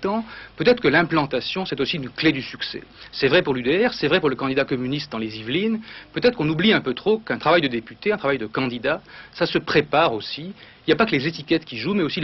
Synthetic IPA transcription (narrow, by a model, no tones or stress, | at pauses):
t̪ɑ̃pøt̪ɛt̪χəkəlɛ̃plɑ̃t̪asjɔ̃sɛt̪osiynkled̪ysyksɛ̰sɛvʁɛpuʁlyd̪eɛʁsɛvʁɛpuʁləkɑ̃d̪id̪akɔmynist̪̚d̪ɑ̃lezivlinpøt̪ɛt̪χkɔ̃nubliɛ̃pøt̪χokɛ̃t̪χavajd̪əd̪epyt̪eɛ̃t̪χavajd̪əkɑ̃d̪id̪asasəpχepaʁosiiljapakəlezet̪ikʲɛt̪kʲiʒumɛosil